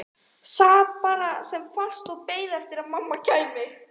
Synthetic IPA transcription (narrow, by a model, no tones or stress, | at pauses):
saːt̚paːɾasɛmfal̥st̪ɔɣpeːjðɛft̪ɪɾaðmamːacaːjmɪ